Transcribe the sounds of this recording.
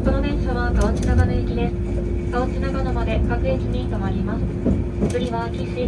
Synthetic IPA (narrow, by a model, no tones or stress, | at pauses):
ko̞no̞bẽ̞ɰ̃ɕaβaɡaat͡sɨnaɡanɯikʲid̪e̞sɨ̥ | ɡ̥aot͡sɨnaɡanomad̪e̞ɡakɯ̟ekʲimʲĩːt̪omaɾʲimasɨ̥ | kɯɾʲiβakʲisɨi